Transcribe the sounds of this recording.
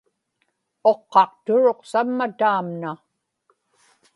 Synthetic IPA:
o̞qːɑq̚t̪ʊɻo̞qsamːat̪aːmna

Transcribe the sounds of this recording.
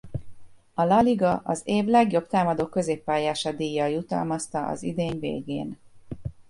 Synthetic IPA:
ɒlɒliɡɒʔɒzeːvlɛɡjo̞bt̪aːmɒd̪oːkːø̞zeːpːaːjaːʃɒd̪iːjːɒjut̪ɒ̰lmɒst̪ɒʔɒ̰zḭd̪eːɲvḛːɡḛːn

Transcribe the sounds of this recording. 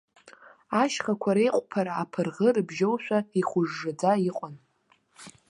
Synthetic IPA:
aʃχakʷʰaɾejqʷʼpʰaɾaːpʰɨrʁərɨbʒowʃʷᶣaiχʷʊʐːɨd͡zaiqʷʼan

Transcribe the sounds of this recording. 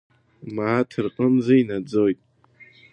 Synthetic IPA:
maːtʰɨrqʼəmzainad͡zojtʼ

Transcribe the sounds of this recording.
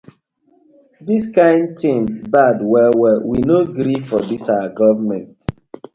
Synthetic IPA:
diskãɪ̃nd̚tʰĩmbadwɛwɛwinoɡɾifɔdisawaɡɔvəmɛ̃nt

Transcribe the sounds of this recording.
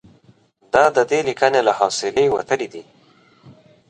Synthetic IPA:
d̪ɑd̪əd̪elikənelahɑsɪlejwa̰t̪əɽid̪i

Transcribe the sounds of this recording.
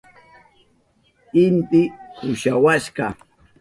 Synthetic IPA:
ɪnt̪ɪkʊʃawaʃɢɑ

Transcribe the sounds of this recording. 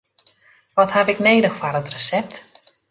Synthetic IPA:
ʋɔthavɪkneːdəxfaɾətrəsɛp̚t

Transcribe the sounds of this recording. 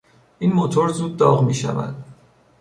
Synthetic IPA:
ʔiːnmot̪ʰo̞ɾzuːd̪̚ːɒːɣmiːʃæ̰væ̰d̪̥

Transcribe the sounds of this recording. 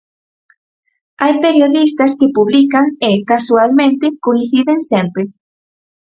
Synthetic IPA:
ajpeɾjoðist̪ɐskepuβlikaŋekasualmẽnt̪ekoĩnθiðeŋsempɾe

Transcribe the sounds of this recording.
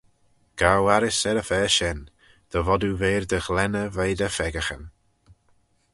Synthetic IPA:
ɡ̥awaɾɪsɛɾəfɛːʃɛn | d̪̥əvɔduveːɹd̪əxlɛnəvejdəfɛɡəxən

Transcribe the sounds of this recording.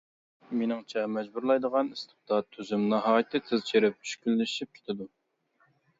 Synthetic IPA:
menɪŋt͡ʃʰɛmɛd͡ʒbuɾlˠɑjd̪əʁɑnist̪ɨ̥pd̪ɑt̪ʰːyzymnɑɦɑːjɨt̪ʰːɨt̪ʰɨzt͡ʃʰeɾɪp̚yʃkʲylːɪʃip̚kʲʰe̥t̪ʰɪd̪u

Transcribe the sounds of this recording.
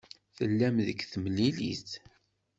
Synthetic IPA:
θəlːæmðəkːθəmlilḭθ

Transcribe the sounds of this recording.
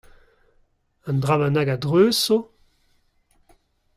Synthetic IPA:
ãnd̪ʁavanaɡadʁøːso

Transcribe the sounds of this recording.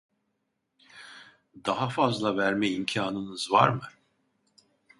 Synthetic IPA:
d̪aɦafazlˠavæɾmɛimcʰaːnɯnɯzva̰ɾmɯ

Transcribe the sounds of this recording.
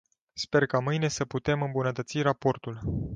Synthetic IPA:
spe̞rkamɨjne̞səput̪e̞mɨmbunət̪ət̪sirapo̞rt̪ul

